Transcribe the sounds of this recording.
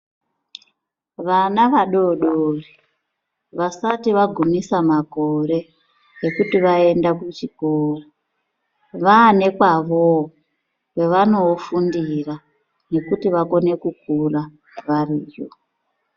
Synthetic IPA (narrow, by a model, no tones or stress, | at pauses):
ʋanaʋaɗoɗori | ʋasatiʋaɡʱumisamako̞ɾe̞ | ekutiʋae̞ndakut͡ʃikoːra | ʋaːne̞kwaʋo | kwe̞ʋano̞fundira | ne̞kutiʋako̞ne̞kuk̚ura | ʋariːjo̰